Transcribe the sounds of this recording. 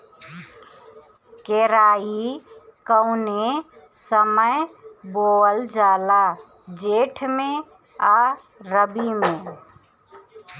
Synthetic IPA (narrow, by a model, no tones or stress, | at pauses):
keːɾaːikəʊne | səməjboːəld͡ʒaːlaː | d͡ʒeːʈʰmẽ | aː | ɾəbimẽː